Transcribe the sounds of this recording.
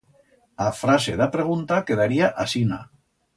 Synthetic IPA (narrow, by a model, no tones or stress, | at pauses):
afɾaseðapɾeɣ̞unt̪akeðaɾiaʔasina